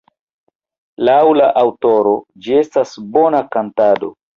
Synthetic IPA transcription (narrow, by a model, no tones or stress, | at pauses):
lawlaʔawto̞ɾo̞d͡ʒie̞stasbo̞nakantado̞̰